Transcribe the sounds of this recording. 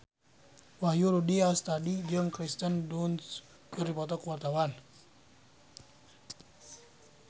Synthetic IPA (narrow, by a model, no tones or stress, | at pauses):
wahjuɾudiast̪adid͡ʒəŋkɾist̪ənduns | kəripɔt̪ɔkəwart̪awan